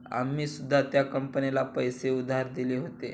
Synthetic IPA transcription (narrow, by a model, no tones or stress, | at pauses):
a̰mːiːsud̪ʱːat̪jakəmpənilapəjseud̪ʱːaaɾd̪ileɦot̪e